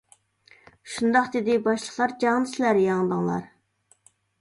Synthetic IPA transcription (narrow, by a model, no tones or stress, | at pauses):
ʃund̪ɑqd̪ɪd̪ɪbɑʃlˠəχlˠɑɾd͡ʒɑŋd̪ɨslæɾjɑŋd̪əŋlˠɑ̰ɾ